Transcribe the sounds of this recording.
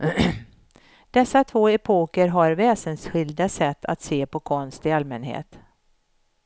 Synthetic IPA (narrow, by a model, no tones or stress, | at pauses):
d̪̥ɛsːat̪ʰvoːɛpʰoːkəɾɦaɾvɛːsənsɧɪld̪asɛt̪ʰːa̰t̪seːpʰɔkʰɔnst̪ɪalmɛnɦḛːt̪